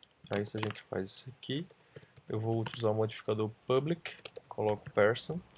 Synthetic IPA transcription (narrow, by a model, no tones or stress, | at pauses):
aisɪaʒẽnt͡ʃɪ̥fa̰jzisaki | ewvowʊt̪lizaũmod͡ʒifi̥kad̪oɾpɐblikkʰolɔkʊ̥pɛɾsɐ̃